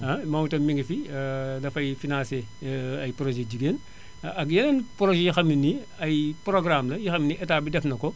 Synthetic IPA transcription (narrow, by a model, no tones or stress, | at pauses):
ɐmamutomiŋɡifidɐfɐjfinãseɐjpɾoʒeɟiɡeːn | ɐk̬jɐnenpɾoʒejixɐminːi | ɐjpɾoɡɾamlɐjixɐminiɛtaːbidɛfnɐko